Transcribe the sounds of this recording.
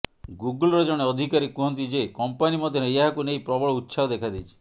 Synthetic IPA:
ɡuɡulɾed͡ʒɔɽ̃eɔd̪ʱikaɾikːuɦɔnt̪id͡ʒekɔmpanimɔd̪ʱjɔneeɦakunejpɾɔbɔɭɔut̪ːsʰaɔd̪ekʰad̪it͡ʃʰi̥

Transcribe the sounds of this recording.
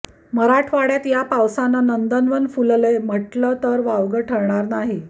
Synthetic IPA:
məɾaʈʰʋaɽjat̪japawsanːanənd̪ənʋənfulləjm̤əʈlət̪əɾʋaʋɡəʈʰəɾɳaɾnaɦi

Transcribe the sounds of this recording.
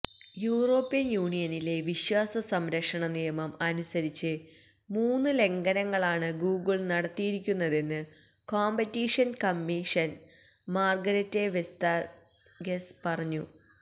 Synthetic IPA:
juːro̞ːpːijɐnjuːɳijɐnile̞ʋiɕwaːsɐsɐmɾɐkʂɐɳɐnijɐmɐmɐnusɐɾit͡ɕːɨ | muːnːɨle̞ŋɡɐnɐŋːɐɭaːɳɨɡuːɡɨɭnɐɽɐt̪ːijiɾikʲːunːɐðe̞nːɨ | koːmbɐtːiʂɐnkɐmːiʂɐn | maːrɡɐɾɐtːeʋest̪a | ɡespɐrɐɲːu

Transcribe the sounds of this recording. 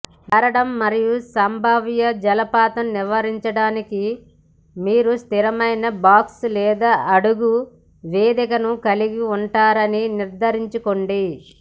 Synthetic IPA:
k̪ɐɾɐɽɐmːɐɾijusɐmbʱɐʋjɐd͡ʒɐlɐpaːt̪ɐmniʋɐɾiɲt͡ʃɐɽaːniki | miːɾust̪iɾɐmɐjnɐbaːkslɛːd̪aʔɐɽuɡu | ʋeːd̪ikɐnukɐliɡiuɳʈaːɾɐniniɾd̪ʱɐɾiɲt͡ʃukoɳɖi

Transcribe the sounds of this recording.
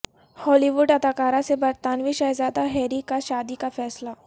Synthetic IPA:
hɔːliʋʊɖɐd̪aːkaːɾãsebɐɾt̪aːnʋiʃaːezaːd̪aɦɛːɾikaʃaːd̪ikafɛːsla

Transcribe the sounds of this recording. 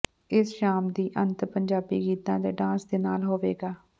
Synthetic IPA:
ɪsʃaːmd̪iːʔənt̪pəɲd͡ʒaːbiːɡiːt̪ãːd̪eːɖãːsd̪eːnaːlɦoːʋeːɡaː

